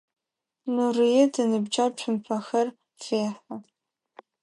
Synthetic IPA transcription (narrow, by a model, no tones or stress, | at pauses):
nurijɛdɨnɨbd͡ʒaʈ͡ʂʷʰʊmpʰɐxɐr | feːħa